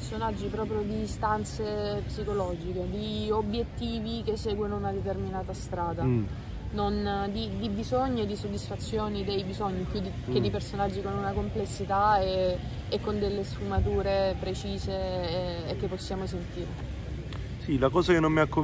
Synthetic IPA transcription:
rsonad͡ʒːipɾɔːpɾjod̪ist̪ant̪sepsikolɔd͡ʒiked̪iobːjet̪ːiːvik̟esːeːɡwenounad̪et̪̬erminaːt̪ast̪ɾaːd̪a | nond̪id̪ibizoɲːied̪ːisod̪ːisfat̪sːjoːnid̪ejbizoɲːipjud̪iked̪ipersonad͡ʒːikonunakomplesːit̪ae | ekːond̪elːesfumat̪uːɾepɾet͡ʃiːzeː | kːepːosːjaːmos̬ent̪iːɾe | silakɔːzakenːomːiakːo

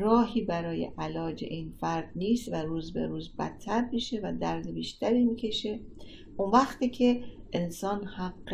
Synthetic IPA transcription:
ɾɒːɦiːbæɾɒːje̞̰ʔælɒːd͡ʒe̞̰ʔinfæɾd̪niːst̪væɾuːzbḛɾuːzbæ̰t̪ʰːæɾmiʃe̞væd̪æɾd̪ebiːʃt̪ʰæɾiːmiːcʰe̞ʃe̞ | ʔunvæxt̪iːcʰe̞ʔensɒːnhæɡː

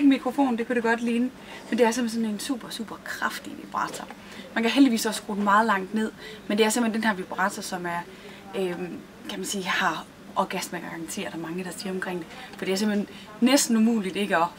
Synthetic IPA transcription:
ɡəmikʰʁo̝fo̝̰ːnd̥e̝kuɾ̥eɡ̥ɒ̽d̥liːnə | mend̥e̝æɐsemhensɔ̽ne̝nsṵːb̥ɐsṵːb̥ɐkʰʁɑfd̥iʋib̥ʁɑ̰̈t͡sʰɐ | mænkæɦeldiʋḭːsɒ̽sɡ̥ʁo̰ːd̩mɑ̈ːð̞̩ˠlɑ̈ŋ̰d̥ne̝ð̞̰ˠmend̥e̝æɐse̝mhend̥enɦæɐʋib̥ʁɑ̈ːt͡sʰɐsɒ̽mæɐ | øm | kʰæmænsiːhɑ̈ | ʔɒɡ̥æsmæɡɑ̈ɑ̈ŋt͡sʰe̝̰ːɐd̥ˠɒmɑ̈ŋəd̥ɑ̈siɐɒ̽mkʰʁeŋ̰d̥e̝fɒd̥e̝æɐse̝m̥henː | esd̥n̩umṵːlid̥e̝ɡ̥əɒ̽

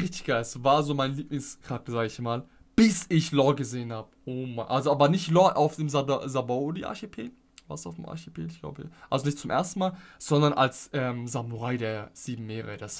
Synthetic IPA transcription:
ʁɪçtɪ̥çɡ̥asvaːɐzoːmaɪnəliːplɪŋskʁ̥ak̚təz̥aːɡəɪçmaːl | b̥ɪsɪçlɔɡəzeːənhaːbəʔoːmanʔalzoʔaːbɐnɪçtlɔʔaʊfd̥eːmzzabadiʔa̰ɐçepʰeːd | va̰ɐsa̰ʊfdemʔa̰ɐçepʰḛːdɪçɡ̥la̰ʊbəʔalzonɪçtt͡sʊmʔḛːɐstn̩maːlz̥ɔndɐnʔa̰lsʔɛːmzamuʁaɪdeːɐz̥iːbm̩meːʁə̰d̥as

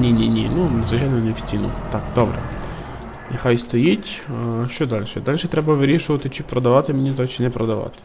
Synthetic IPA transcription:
nʲinʲinʲḭnunezʋʊt͡ʃʲajnɔnewsʲtʲinʊ̰t̪ɑkd̪ɔbɾɛ̰ | nɐxɑjst̪ɔjitʲʃt͡ʃɔd̪ɑlʲʃɛd̪ɑlʲʃɛt̪ɾɛbɐʋɪɾʲiʃʊʋɐt̪ɪt͡ʃɪpɾɔd̪ɐʋɑt̪ɪmenʲit̪ɔt͡ʃɪnɛpɾɔd̪ɐʋɑ̰t̪ɪ̥

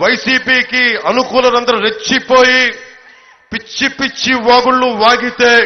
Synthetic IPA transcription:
ʋɐjsiːpiːkiɐnukuːlɐnɐnd̪ɐɾɐɾe̞t͡ʃːipo̞ːji | pit͡ʃːipit͡ʃːiʋaːɡuɭːuʋaːɡit̪e̞ː

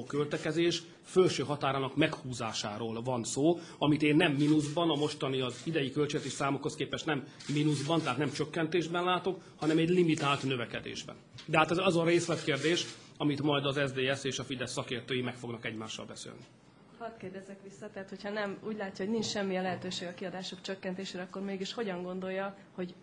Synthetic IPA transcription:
oːkølt̪ɛkɛzeːʃ | følʃøːɦɒt̪aːɾaːnɒkmɛkhuːzaːʃa̰ːɾoːlvɒnsoː | ɒmit̪eːnːɛmːinuzbɒnɒmo̞ʃt̪ɒniɒzid̪ɛjikølt͡ʃɛɡt̪eːʃsaːmokhoskeːpɛʃnɛmː | inuzbɒnt̪ɛɦaːt̪nɛmt͡ʃøkːɛnt̪eːʒbɛnlaːt̪o̞khɒnɛmɛɟlimit̪aːlt̪nøvɛkɛd̪ḛːʒbɛ̰nd̪ɛɦat̪ɛzɒzɒɾeːslɛt̪keːrd̪eːʃ | ɒmit̪mɒjd̪ɒzɛzd̪eːɛseːʃɒfid̪ɛsːɒkeːrt̪øːjimɛkfo̞ɡnɒkɛɟmaːʃːɒ̰lbɛsḛːlni | hɒt̪keːrd̪ɛzɛkʋisːɒt̪ɛɦat̪ho̞chɒnɛmuːɟʲlaːcːɒɦoɟnint͡ʃʃɛmːiɛlɛɦɛt̪øːʃeːɡɒkiɒd̪aːʃokt͡ʃøkːɛnt̪eːʃeːɾɛɒkːo̞rmeːɡiʃho̞ɟɒŋɡo̞nd̪o̞jːɒ | ho̞ɟ

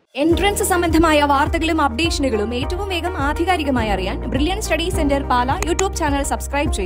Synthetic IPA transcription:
eɳɖrɐnsɨsɐmbɐnd̪ʱɐmaːjɐʋaːrt̪ɐɣɐɭumɐp̚ɖeːkʂɐnuɣɐɭume̞ːtːɐʋumʋe̞ːɡɐmaːd̪ʱiɣaːɾiɣɐmaːjɐrijaːnbriljɐɳɖsʈɐɽiːsendɐrpaːlɐjuːʈːjuːbt͡ɕaːnɐlsɐbskrɐjb̚t͡ɕejː

